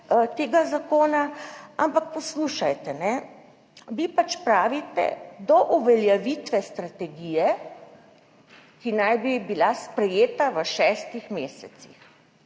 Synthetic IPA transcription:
t̪eːɡazakoːnaa̰mpak̚pɔsluʃajt̪ɛnɛ | ʋipat͡ʃpɾaːʋit̪ɛ̰d̪ɔʔuʋɛljɛʋit̪ʋɛst̪ɾat̪ɛɡijɛ | kinajbibilaspɾɛjeːt̪aʋəʃɛːst̪ixmeːsɛt̪sḭx

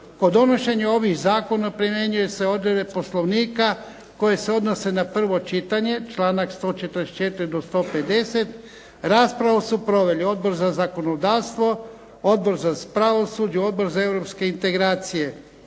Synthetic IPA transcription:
pod̪o̞no̞ʃe̞ɲeo̞ʋixzaːko̞napɾimjeɲuje̞se̞o̞d̪ɾebepo̞slˠo̞ʋniːka | ko̞je̞se̞o̞d̪no̞se̞napr̩ʋo̞t͡ʃit̪aɲe̞t͡ʃlaːnakst̪o̞ːt͡ʃet̪əɾest͡ʃe̞t̪iɾid̪ost̪o̞ːpe̞d̪e̞se̞t̪ | ɾaːspɾaʋusupɾo̞ʋe̞lio̞d̪̚bo̞ɾzazako̞nod̪aːʋst̪ʋo̞ | o̞d̪̚bo̞ɾzapɾaʋosud͡ʑuo̞d̪̚bo̞ɾzae̞ʋɾo̞pske̞int̪e̞ɡɾaːt̪sije̞

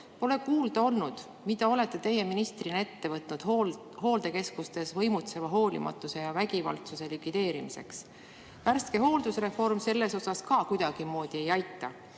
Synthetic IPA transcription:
o̞le̞kuːld̪̥ɑo̞lnud̪̥ | mid̪̥ɑo̞le̞t̪ːˑet̪e̞je̞minist̪rine̞t̪ːe̞vɤt̪ˑnud̪̥ | ho̞ːld̪e̞ke̞skust̪e̞svɤ̞jmut̪se̞vɑɦo̞ːlʲḭmɑ̰t̪ːˑuse̞jɑvæɡivɑ̰lt̪suse̞likvid̪e̞ːɾimise̞̰ks | værst̪̚ke̞ɦo̞ːld̪̥usre̞fo̞rmse̞lːe̞so̞sɑskɑkujd̪̥ɑɡ̥imo̞ːd̪̥ie̞jɑjt̪ːˑɑ

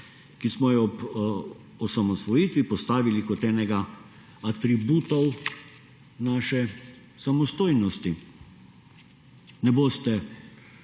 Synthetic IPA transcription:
kismɔjɛɔp | ɔsamɔsʋɔjiːt̪ʋipɔst̪aːʋilikɔt̪ɛːnɛɡa | at̪ɾibuːt̪ɔw | naːʃɛ | samɔst̪oːjnɔst̪i | nɛboːst̪ɛ

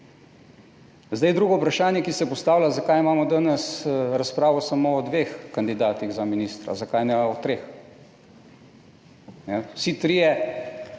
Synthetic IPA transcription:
zd̪ajd̪ɾuːɡɔwpɾaʃaːnjɛkisɛpɔst̪aːwlʲazakajimaːmɔd̪anɛsɾaspɾaːʋɔsamoːd̪ʋexkand̪id̪aːt̪iɣzaminist̪ɾa̰zakajnɛɔt̪ɾeːx | nɛwsit̪ɾijɛ

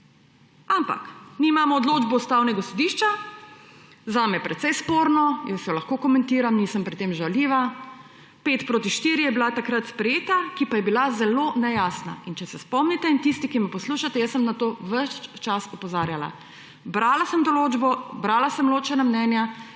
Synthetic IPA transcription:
ampa̰knimaːmɔːd̪loːd͡ʒbɔust̪awnɛɡasɔd̪iʃt͡ʃa | zaːmɛjɛpɾɛt̪sɛjspoɾnɔjəsjɔlaxkoːkɔmɛnt̪iːɾamniːsəmpɾit̪eːmʒawliːʋa | peːt̪pɾoːt̪iʃt̪iːɾijɛbilat̪akɾat̪spɾɛjeːt̪akipajɛbilazɛlonɛjaːsna̰int͡ʃɛsɛspɔmnit̪ɛint̪ist̪ikimɛpɔsluːʃat̪ɛjəsːəmnat̪oːʋəʃt͡ʃasɔpɔzaːɾjala̰ | bɾaːlasəmd̪ɔloːd͡ʒbɔbɾalasəmloːt͡ʃɛnamnɛːnja

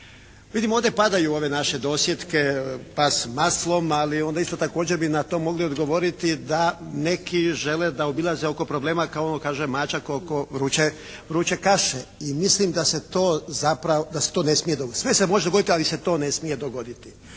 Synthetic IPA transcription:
ʋid̪imoːd̪jepad̪ajuo̞ʋe̞naʃe̞d̪o̞sjet̪ke̞pasmaslˠo̞malio̞nd̪aist̪ot̪akoːd͡ʑeɾbinat̪o̞mːo̞ɡlio̞d̪ɡo̞ʋo̞ɾit̪id̪ane̞kiʒe̞led̪aobilˠazeo̞ko̞pɾoble̞ːmakaonokaːʒemaːt͡ʃakokoʋɾuːt͡ʃe | ʋɾuːt͡ʃe̞kaʃeimislimd̪ase̞t̪oːzapɾaod̪aset̪o̞ːne̞smije̞d̪osʋesemo̞ʒed̪oɡo̞d̪it̪ialise̞t̪o̞ːne̞smije̞d̪o̞ɡo̞d̪it̪i̥

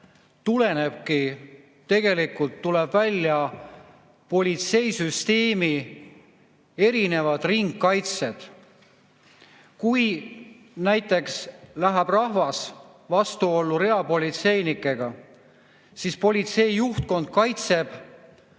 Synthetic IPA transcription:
t̪ule̞ne̞b̥ki | t̪ːe̞ɡe̞likult̪ːulebvælʲːjɑ | po̞lʲit̪se̞jsyst̪e̞ːmi | e̞ɾine̞vɑd̪̥riŋɡkɑjt̪se̞d̪̥ | kuj | næjt̪ːˑe̞kslæɦæb̥rɑɦvɑs | vɑst̪uo̞lːuɾe̞ɑpo̞lʲit̪se̞jnikːˑe̞ɡ̥ɑ | sispo̞lʲit̪se̞jːuht̪̚ko̞nd̪̥̚kɑjt̪se̞b̥

